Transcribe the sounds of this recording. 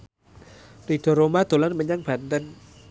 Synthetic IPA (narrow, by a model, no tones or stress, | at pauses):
rid̥ɔ̤ɾomad̪̥o̤lanməɲaŋb̥a̤nt̪ən